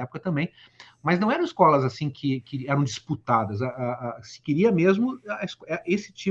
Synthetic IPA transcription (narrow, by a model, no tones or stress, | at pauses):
ɛpʊkɐt̪ɐ̃mbẽj̃ | mɐznɐ̃w̃ɛɾɐ̃w̃ɪskɔlɐzasĩkʰɪkɪɛɾɐ̃w̃d͡ʒisput̪ad̪ɐzaasɪ̥kɪɾiɐmezmʊɐskɛʔesɪ̥t͡ʃĩ